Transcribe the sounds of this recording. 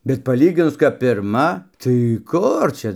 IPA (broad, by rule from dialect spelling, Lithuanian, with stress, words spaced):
bʲɛt pɐˈlʲiːɡʲɪnʊs kɐp pʲɪrˈmɐ tɐɪ ˈkʊr t͡ʃʲɛ